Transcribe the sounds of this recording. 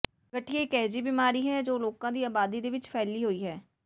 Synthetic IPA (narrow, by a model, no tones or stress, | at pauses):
kəʈʰːiːeːkɛːd͡ʒiːbiːmaːɾiːɦɛːd͡ʒoːloːkãːd̪iːaːbaːd̪iːd̪eːʋɪt͡ʃpʰɛːliːɦoːiːɦɛː